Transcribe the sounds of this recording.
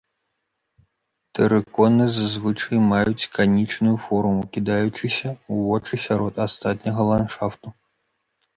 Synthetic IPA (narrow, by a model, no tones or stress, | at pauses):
t̪ɛɾɨkɔnɨzazvɨt͡ʂɐjmajut͡sʲkanʲit͡ʂnujufɔɾumukʲid̪ajut͡ʂɨsʲɐuvɔt͡ʂɨsʲaɾɔt̪ast̪at̪̚ʲnʲɐɣɐlˠanʂaft̪u